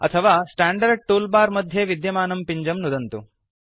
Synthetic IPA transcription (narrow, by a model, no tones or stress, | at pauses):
ɐ̰t̪ʰɐʋaːsʈaːɳɖɐɾɖ̚ʈuːlbaːɾmɐd̪ʱjeʋid̪jɐmaːnɐmpiɲd͡ʒɐmnud̪ɐnt̪u